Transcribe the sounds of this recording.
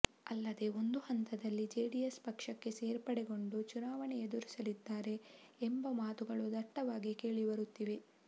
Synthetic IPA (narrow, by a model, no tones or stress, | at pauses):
ɐlːɐd̪e̞o̞nd̪uhɐnt̪ɐd̪ɐlːid͡ʒeːɖijespɐkʂɐkːe̞seːɾpɐɽeɡo̞ɳɖut͡ʃunaːʋɐɳɛed̪uɾisɐlid̪ːaːɾe̞ːmbɐmaːt̪uɡɐɭud̪ɐʈːɐʋaːɡike̞ːɭiʋɐɾut̪ːiʋe̞